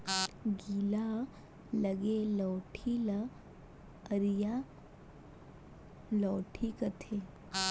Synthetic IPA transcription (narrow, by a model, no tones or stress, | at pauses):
ɡiːla | ləɡelɔːʈʰilə | əɾija | lɔːʈʰikət̪ʰe